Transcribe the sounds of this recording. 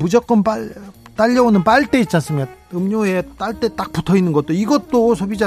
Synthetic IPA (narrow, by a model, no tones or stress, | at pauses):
mud͡ʑʌk͈ʌnpaɭt͈aʎːʌonɯnpaɭt͈e̞it̚t͡ɕ͈ans͈ɯmikaɯmɲoet͈aɭt͈e̞t͈ak̚putʰʌinːɯnɡʌt͈oiɡʌt̚t͈osʰʌbid͡ʑa